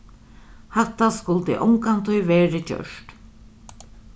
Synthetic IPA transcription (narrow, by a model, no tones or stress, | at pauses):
hɛt̪ːaskʊlt̪ɪ̰ʔɔŋkant̪ʰʊjvɛːɾɪt͡ɕœ̰ʂt̪